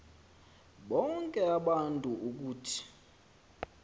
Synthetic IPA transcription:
ɓɔŋkʼɛaɓantʼuʔuk̬uːtʰi̥

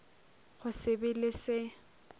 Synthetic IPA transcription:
χʊsɪbɪlɪsɪ

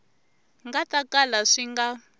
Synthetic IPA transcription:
ŋɡatakalaʂiŋɡa

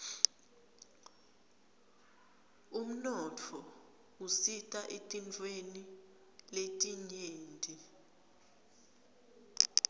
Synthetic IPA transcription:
um̩nɔtʰɔ | usitʼaʔetʼint͡fʰʼweni | letʼiɲeːndʱʼi

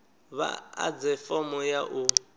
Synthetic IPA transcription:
βa̰a̰d͡zɛfɔmɔjaʔʊ

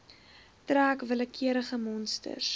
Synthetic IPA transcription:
træːkvələkʰiəɾəχəmɔnstə̰rs

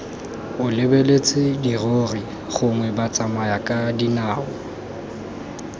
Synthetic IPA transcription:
ʊlɪbelet͡sʼɪdiroːri | χʊŋwɛbat͡sʼamajakʼadinaːʊ

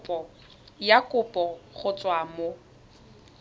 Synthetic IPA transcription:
pɔ | jakʼʊpʼɔχʊt͡sʼwamo

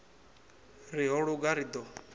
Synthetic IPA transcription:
ɾiɦɔɽuɡaɾid̪ɔ

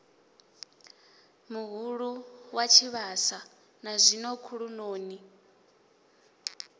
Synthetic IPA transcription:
muɦuɺuwat͡ʃʰiβasa | nazʷinɔkʰuɺunoːni

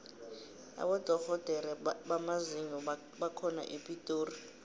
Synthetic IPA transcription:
a̰ɓɔd̥ʱɔɣɔd̥ʱɛɾɛɓamaziŋɔ | ɓakʰɔna̰ʔipʼitʼoːri

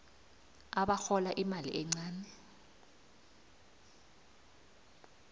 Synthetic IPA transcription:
aɓaxɔlaʔimalḭʔɛŋ͡ǀaːnɛ

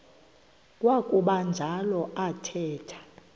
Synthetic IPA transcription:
kʼwakʼuɓand͡ʒʱalɔatʰɛːtʰḁ

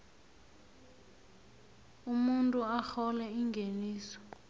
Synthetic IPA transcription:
umuntʼuaxɔlɛiŋɡʱeniːsɔ̥

